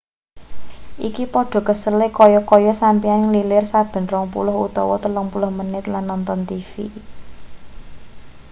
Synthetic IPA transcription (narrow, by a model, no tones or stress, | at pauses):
ʔikipɔɖ̥ɔ̤kəsəlɪkɔjɔkɔjɔsampianŋlilɪrsab̥ə̤nrɔŋpulʊhut̪ɔ̰wɔt̪əlɔŋpulʊhmənɪt̪lanːɔnt̪ɔnt̪ifḭ